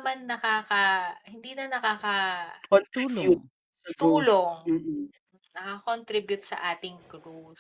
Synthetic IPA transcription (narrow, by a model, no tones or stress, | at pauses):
manːɐkaːkɐhɪnd̪iːnɐnɐkaːkɐot̪uːlo | ɐt̪uːloŋ̩ː | nɐkɐkont̪ɾibjʊt̪̚sɐ̰ʔaːt̪ɪŋkɾus